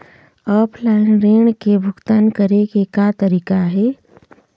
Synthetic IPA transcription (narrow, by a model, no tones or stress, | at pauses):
ɔːpʰlaːɪnɾeːɳkebʱʊɡt̪aːnkəɾeɡekat̪ɐɾiːkaɦɛː